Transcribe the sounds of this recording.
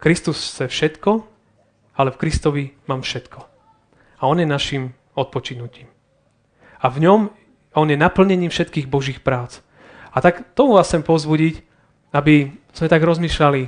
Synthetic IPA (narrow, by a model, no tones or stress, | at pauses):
kɾist̪ust͡sɛfʃɛt̪kɔ | alɛfkɾist̪ɔʋimaːmfʃɛt̪kʰɔ | aɔnjɛnaʃim | ɔt̪̚pɔt͡ʃinuciːm | avɲɔm | ɔnjɛnapl̩ɲɛɲiːmfʃɛt̪kiːɣbɔʒiːxpɾaːt͡s | at̪akt̪ɔmuʋaːst͡sɛmpɔzbuɟic | abiz̥mɛt̪aɡɾɔzmiːʃlali